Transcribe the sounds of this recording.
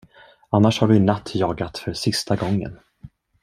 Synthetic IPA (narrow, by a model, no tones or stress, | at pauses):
anːaʂhaɖɵnat̪ʰːjɑːɡat̪fœɾsɪst̪aɡɔŋːə̰n